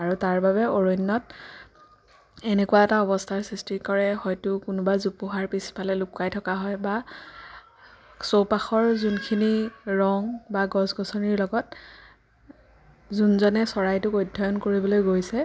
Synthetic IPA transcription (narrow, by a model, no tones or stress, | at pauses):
aɹutaɹbabɛoɹojnːɔt | ɛnɛkuwaɛtaɔbɔstʰaɹsistikɔɹɛhɔjtʊkʊnʊbazupuɦaɹpisi̥pʰalɛlʊkːajtʰɔkaɦɔjba | sowpaxɔɹzunkʰiniɹɔŋbaɡɔsɡɔsɔniɹlɔɡɔt̚ | zunzɔnɛsɔɹajtʊkojdʱɔjɔnkoɹibɔlojɡojsɛ